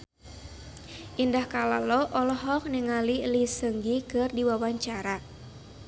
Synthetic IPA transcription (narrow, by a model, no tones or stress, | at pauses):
ʔindahkala̰lɔʔɔlɔɦɔk̚niŋalilisəŋɡikɨrdiwawaɲt͡ʃaɾa